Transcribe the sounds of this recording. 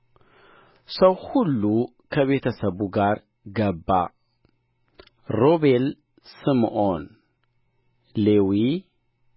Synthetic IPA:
sɐwhulːu | kʰəβe̞t̪ʰɐsɐβuɡaɾ | ɡɐbːa̰ | ɾo̞βel | sɨmʔon | lewi

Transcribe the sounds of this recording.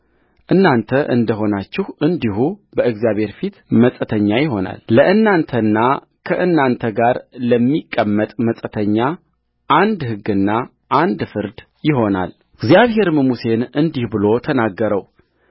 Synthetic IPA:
ʔɨnːant̪ʰəʔɨ̰nd̪əɦo̞nat͡ʃːɪhʔɨnd̪ihubəʔɨɡzjaβhe̞ɾfit̪məsʼət̪ʰəɲːajɪɦo̞na̰lːəʔɨnːant̪ʰənːa | kʰəʔɨnːant̪ʰəɡaɾləmːikʼːəmːət̪ʼməsʼət̪ʰəɲːa | ʔand̪hɨɡɨnːa | ʔand̪fɨɾd̪ | jɪɦo̞na̰l | ɨɡzijaβɦe̞ɾməmuse̞nɨnd̪ihbɨlo̞t̪ʰənaɡːəɾəw

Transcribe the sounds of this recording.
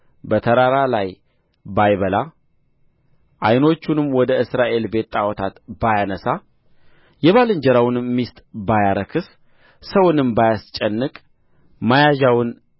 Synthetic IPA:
bət̪ʰəɾaɾalaj | bajβəla | ʔajno̞t͡ʃːunɨmwɔd̪əɨsɾaʔe̞lbe̞t̪ʼawɔt̪ʰat̪bajanəsa | jɛβalɨɲd͡ʒəɾawnmist̪ʼbajaɾəkʰɨs | səwnɨmbajast͡ʃʼɛnːɨkʼ | majaʒawɨn

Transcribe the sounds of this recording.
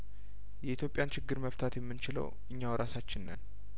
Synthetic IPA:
jɛʔit̪ʰjopʼːjant͡ʃɪɡːɨɾməft̪ʰat̪jɛmːɨnt͡ʃɪlə̰w | ɨɲːawɾʔasat͡ʃːɪnːə̰n

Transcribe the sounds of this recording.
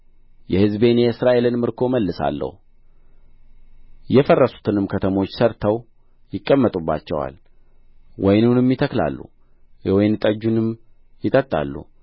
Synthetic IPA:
jɛhɨzbe̞njɛɨsɾaʔe̞lɨnmɨɾkʰo̞məlːɨsa̰lːə̰hu | jɛfərːəsu̥t̪ʰɨnɨmkʰət̪ʰəmo̞t͡ʃːsəɾt̪ʰəw | jɪkʼːəmːət̪ʼubːa̰t͡ʃːɛwa̰l | wʔɔjnunɨmjɪt̪ʰəkla̰lːṵ | wɔjnt̪ʼəd͡ʒːunɨm | jɪt̪ʼət̪ʼːa̰lːṵ

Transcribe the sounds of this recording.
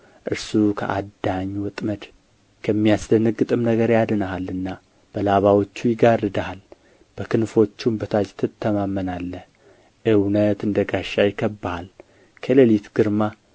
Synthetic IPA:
ʔɨɾsukʰə̰ʔad̪ːaɲːwɔt̪ʼməd̪ | kʰəmːijasd̪ənɨɡːɨt̪ʼɨmnəɡəɾjad̪ɨnəɦalːɨnːa | b̥əlaβawot͡ʃːujɪɡarɨd̪ahal | b̥əkɨnfo̞t͡ʃːumbət̪ʰat͡ʃt̪ʰɨt̪ʰːəmamːənalːəh | ʔɨwnət̪ɨnd̪əɡaʃːajɪkʰːəbːahal | kʰələlit̪ɡ̥ɨɾma

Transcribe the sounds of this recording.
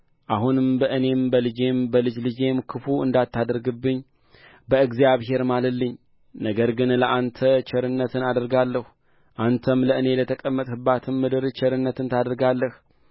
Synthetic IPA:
ʔaɦunɨmbəʔɨne̞mbəlɨd͡ʒe̞mbəlɨd͡ʒlɨd͡ʒe̞mkʰɨfuɨnd̪at̪ʰːad̪əɾɡɨbːɨɲː | bəɨɡzjaβɦe̞ɾmaləlːɨɲː | nəɡəɾɡɨnləʔant̪ʰət͡ʃʰɛɾɨnːət̪ʰɨnad̪əɾɡalːəhu | ʔant̪ʰəmləʔɨne̞lət̪ʰəkʼəmːət̪ʼhɨbːat̪ʰɨmːɨd̪ɨɾt͡ʃɛɾɨnːət̪ɨnt̪ʰad̪əɾɡalːəh

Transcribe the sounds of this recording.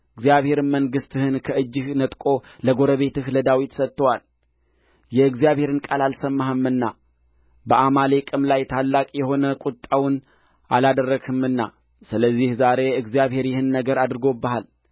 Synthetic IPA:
ʔɨɡzijaβhe̞ɾɨməŋɡɨst̪ɨhɨnkʰəɨd͡ʒːɪhnət̪ʼkʼo̞ləɡo̞ɾəβe̞t̪ɨhləd̪awit̪sət̪ːəwal | jɛɨɡzijaβhe̞ɾɨnkʼalalsəmːaɦɨmːɨnːa | bəʔamale̞kʼɨmlajt̪ʰalːakʼjɛho̞nəkʼut̪ʼːawn | ʔalad̪ərːəɡʰɨmɨnːa̰ | sɨləzːihzaɾe̞ɨɡzijaβhe̞ɾjɪhɨnːəɡəɾad̪ɾɨɡo̞bːəhal

